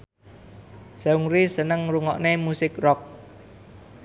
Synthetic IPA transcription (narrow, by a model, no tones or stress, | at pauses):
sauŋɾisənəŋɾuŋɔ̰ʔnemusɪkrɔk̚